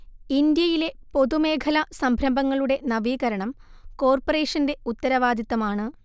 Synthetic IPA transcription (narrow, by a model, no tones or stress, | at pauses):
ind̪jɐjile̞po̞ðume̞ːkʰɐlɐsɐmbʱɾɐmbɐŋːɐɭuɽe̞nɐʋiːɣɐɾɐɳɐmko̞ːrpore̞ːʂɐnde̞ut̪ːɐɾɐʋaːd̪jɐt̪ːɐmaːɳɨ